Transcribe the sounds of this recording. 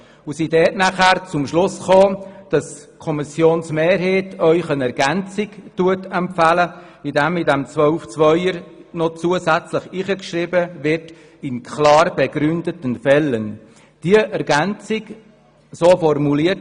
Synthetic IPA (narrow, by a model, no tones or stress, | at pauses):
usidɛːtnæχæːɾt͡sʊmʃlʊsχoːd̥ɑskʰɔmisjoːnsmeːɾɦeːtœʏχənɛɾɡ̥ænt͡sɪktuətɛmpfæləidæmidɛmt͡sʋœʊft͡sʋœʏəɾnɔt͡suəzæt͡sləχiχəkʃriːbəʋɪt | ɪnkʰlɑːɾb̥ɛɡɾʏndətənfɛlːən | d̥iəʔɛɾɡænt͡sɪɡ | soːfɔrmuliət